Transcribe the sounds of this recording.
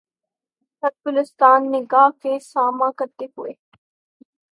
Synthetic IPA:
sɐb̚bʊlɪst̪aːnːɪɡaːɦkesaːmãkɐɾt̪eɦʊeː

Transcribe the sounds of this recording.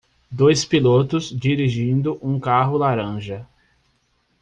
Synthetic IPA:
d̪ojspilot̪ʊzd͡ʒiɾiʒĩnd̪ʊʔũkaɦʊlaɾɐ̃ʒɐ

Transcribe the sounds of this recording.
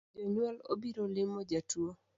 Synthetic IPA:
d͡ʒaɲwɔlo̰biɾolɪmod͡ʒatwo

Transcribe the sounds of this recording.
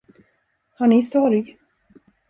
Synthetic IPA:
haɳɪsɔɾj

